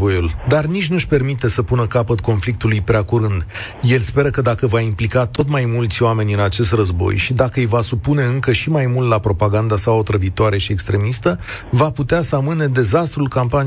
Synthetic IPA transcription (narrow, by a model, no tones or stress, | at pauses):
bojuld̪arnit͡ʃʲnuʃʲpe̞rmit̪e̞səpunəkapət̪ko̞nflik̚t̪ulujpɾeakuɾɨnd̪ | je̞lspe̞ɾəkəd̪akəvaimplikat̪o̞t̪majmult̪sʲoame̞nʲɨnat͡ʃe̞st̪rəzbo̞̰jʃid̪akəɨjvasupune̞ɨŋkəʃimajmult̪lapɾo̞paɡand̪asaot̪ɾəvit̪oaɾe̞ʃie̞kst̪ɾe̞mist̪əvaput̪easəamɨne̞d̪e̞zast̪ɾulkampani